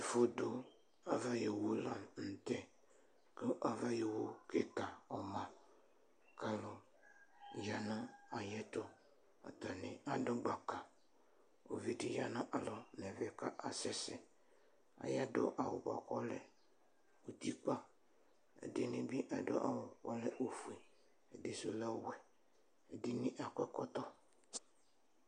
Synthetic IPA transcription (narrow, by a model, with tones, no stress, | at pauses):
e˨fo˦do˦ | a˨va˦je˨wo˦la˨mn̩˨tɛ˦ | kə˦ʔa˨va˦je˨wo˦ke˦ta˨ɔ˨mã˨ | ka˦lʊ˦ | ja˨na˦a˨jɛ˦tʊ˦ | a̰˨ta˨nɪ˨a˨dʊ˦ɡ͡ba˨ka˨ | o˨vi˦di˨ja˦na˦ʔa˨lɔ˨nɛ˨vɪ˦ka˦ʔa˨sɛ˦sɪ˦ | a̰˨ja˦dʊ̰˦ʔa˨wʊ̰˨ba̰˨kɔ˦lɛ˨ | o˨t̪i˦k͡pa˦ | ɛ̰˨dɪ˦nɪ˦bi˦ʔa̰˨dʊ̰˦ʔa̰˨wʊ˨kɔ˦lɛ˦ʔo˨fu˨e˨ | ɛ˨dɪ˦sʊ˦lɛ˦wɛ˨ | ɛ˨dɪ˦nɪ̃˦ʔa˨kʷɛ˦kɔ˦t̪ɔ˦